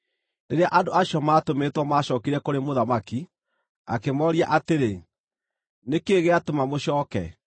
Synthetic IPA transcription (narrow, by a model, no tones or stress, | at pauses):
neɾeaʔadoaɕɔmaːtomeːtwɔmaːɕɔːkiɾɛkoɾemoðamaki | a̰kemɔːɾia̰ʔateɾe | nekeɣeatomamoɕɔːkɛ̰